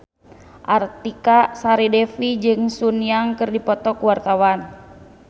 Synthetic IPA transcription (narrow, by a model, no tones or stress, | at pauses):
ʔart̪ikasaɾidɛfid͡ʒɨŋsuniaŋkɨrdipɔt̪ɔkuwart̪awan